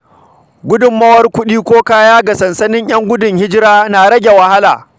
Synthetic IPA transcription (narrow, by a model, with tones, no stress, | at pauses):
ɡʷʊ˦dʊ˨mːɐ˦wɐ˦rkʷʊ˦ɗiː˦kʷoː˦kaː˦jaː˦ɡa˨sɐ˨nsɐ˦nɪ˦ɲj̰ɐ˦ŋɡʷʊ˦dʊ˨ŋhɪ˦d͡ʒɪ˦ɾaː˦naː˨ɽɐ˦ɡʲe˨wɐ˨ha˦laː˨